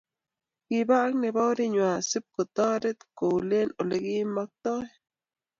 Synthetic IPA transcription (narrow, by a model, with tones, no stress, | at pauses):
ki˨ba˦k̚ne˨ba˦wɾi˦ɲwa˨si˦p̚ko˨t̪ɔ˦ɾe˦t̪ko˨wle˦no˨le˨ɡi˦ma˦k̚t̪ɔ˦